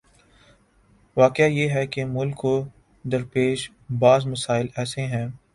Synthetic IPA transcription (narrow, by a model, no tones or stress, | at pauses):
ʋaːkɪajeːɦɛkemʊlkɦo | d̪ɐɾpeːʃ | baːzmɐsaːɪlɛːseɦɛ̃ː